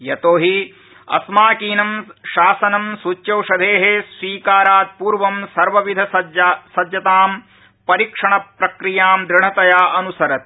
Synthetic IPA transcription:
jɐt̪oːɦi | ɐ̰smaːkiːnɐmʃaːsɐnɐmsut͡ʃjɐwʂɐd̪ʱeːɦesʋiːkaːɾaːt̪̚puːɾʋɐmsɐɾʋɐʋid̪ʱɐɐsɐd̪jɐt̪aːm | pɐɾikʂɐɳɐpɾɐkɾijaːmd̪ɾɪɳ̤ɐt̪ɐjaːʔɐnusɐɾɐt̪̚

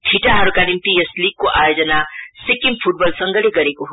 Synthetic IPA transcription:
tʰiʈaɦɐɾkanimpiesliːɡ̚koʔaːjod͡ʒənasikːimpʰuʈ̚bɔlsɐ̃ŋɡəɽeɡɐɾekoɦ

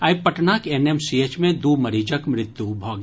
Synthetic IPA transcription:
ɐipɐʈnaːkeneːmsieːt͡ʃmẽd̪uːmɐɾiːd͡ʒəkmɾɪt̪ːjubʱoːɡ

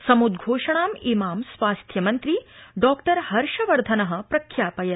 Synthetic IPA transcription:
sɐmud̪ɡʱoːʂɐɳaːmimaːmsʋaːst̪ʰjɐmɐnt̪ɾiɖɔːkʈɐɾhɐɾʃɐʋɐɾd̪ʱɐnɐɦɐ̆pɾɐkʰːjaːpɐjɐ

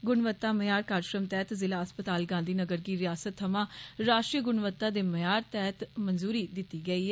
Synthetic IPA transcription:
ɡʊnʋət̪ːaːməjaːɾkaːɾʃɾəmt̪ɛːt̪zɪlaːəspət̪aːlɡãːnd̪iːnəɡəɾɡiːɾɪjaːsət̪ʰːəmãːɾaːʃʈɾiːɡʊnʋət̪ːaːd̪eːməjaːɾt̪ɛːt̪mənzuːɾiːd̪ɪt̪ːiːɡəiːɛ

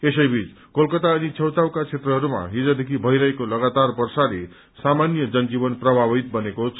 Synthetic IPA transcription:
esʌjbʱit͡s | kolkʌt̪aʌnit͡sʰʌwt̪awkat͡sʰet̪rʌɦʌɾuma̰ɦid͡zad̪ekʰibʱʌjɾʌɦekolʌɡat̪arbʌrsale | samanjʌd͡zʌnd͡zibʌnprʌbʱabit̪̚bʌnekot͡sʰ

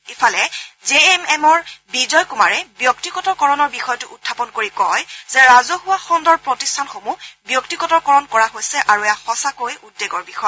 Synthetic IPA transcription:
ifalɛzeɛmɛmɔɹbizɔjkuma̰ɹɛbjɔktiɡɔtɔɹkɔɹɔnɔɹbixɔjɔtʊʔutʰːapɔnkoɹikɔjz̥ɛɹazohuwaxɔndɔɹpɹotistʰanxomubjɔktiɡɔtɔɹkɔɹɔnkɔɹaɦojsɛʔaɹuɛjaxɔsakojudːeɡɔɹbixɔjɔ

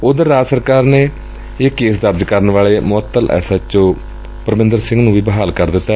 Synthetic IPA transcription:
ʊd̪əɾaːd͡ʒsəɾkaːɾneː | eːkeːsd̪əɾd͡ʒkəɾənʋaːleːmʊət̪ːəlʔɛ̰ːsaːt͡ʃõː | pəɾəmɪ̃nd̪əɾsɪ̃ŋɡnũːʋiːbəɦaːlkəɾd̪ɪt̪ːaː

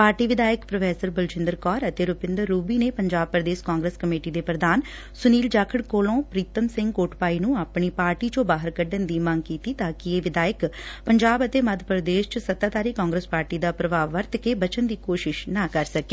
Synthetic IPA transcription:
paːɾʈiːʋɪd̪aːjəkpɾəfʰɛːsəɾbəlt͡ʃɪ̃nd̪əɾkɔːɾət̪eːɾʊpɪ̃nd̪əɾːuːbiːneːpəɲd͡ʒaːb̚pɾəd̪eːskãːŋɡɾəːskəmeːʈiːd̪eːpɾəd̪aːn | sʊniːld͡ʒaːkʰəɽkoːlõːpɾiːt̪əmsɪ̃ŋɡkoːʈpaːiːnũːaːpɳiːpaːɾʈiːd͡ʒõːbaːɦəɾkəɖənd̪iːmə̃ŋɡkiːt̪iːt̪aːkieːʋɪd̪aːjəkpəɲd͡ʒaːbət̪eːməd̪ʱpɾəd̪eːʃt͡ʃəsət̪aːt̪aːɾiːkɔːŋɡɾəːspaːɾʈiːd̪aːpɾəʋaːʋːəɾt̪keːbət͡ʃənd̪iːkoːʃɪʃnaːkəɾsəkeː

